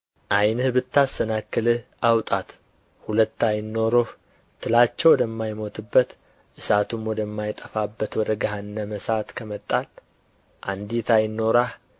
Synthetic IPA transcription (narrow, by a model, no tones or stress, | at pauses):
ʔajnhɨβɨt̪ːasənakːɨlɨʔawt̪ʼat̪ | hulət̪ːajɪnːo̞ɾoh | t̪ʰɨlat͡ʃːɛwɔd̪əmːajmo̞t̪ʰɨbːət̪ | ʔɨsat̪ʰumwɔd̪əmːajt̪ʼəfabːət̪wɔd̪əɡaɦanːəməsat̪kʰəmət̪ʼːal | ʔand̪it̪ʰajɪnːo̞ɾah